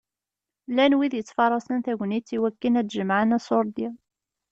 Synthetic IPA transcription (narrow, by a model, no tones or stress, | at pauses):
lænwiðjət͡sːfɑɾˤːɑsənθæʝənit͡sːiwækːinæd̪ʒəmaʕənæsoɾˤd̪a